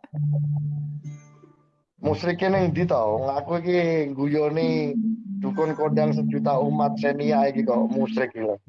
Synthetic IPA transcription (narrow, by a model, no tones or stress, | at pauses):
musɾɪkinɪŋd̪it̪ɔŋakuikiŋɡujɔnid̪̥ṳkʊnkoɖaŋs̬əd͡ʒut̪aumat̪̚seniaikikɔʔmusɾɪkilɪ